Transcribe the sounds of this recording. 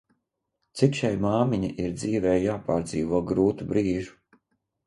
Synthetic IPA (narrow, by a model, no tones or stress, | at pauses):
t̪sikʃajmaːmiɲaʔiɾd̪ziːvɛːjaːpaːɾd̪ziːvuɔɡɾuːt̪ubɾiːʒu̥